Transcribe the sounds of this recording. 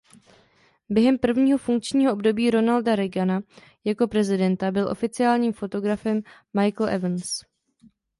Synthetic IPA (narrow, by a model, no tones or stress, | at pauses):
bjɛɦɛmpr̩vɲiːɦo̞fuŋk̚t͡ʃɲiːɦo̞ʔobdo̞biːɾo̞naldaɾɛɡana | jako̞pɾɛzɪdɛnt̪abɪlʔo̞fɪt͡sɪaːlɲiːmfo̞t̪o̞ɡɾafɛmː | ajkl̩ʔɛ̰vns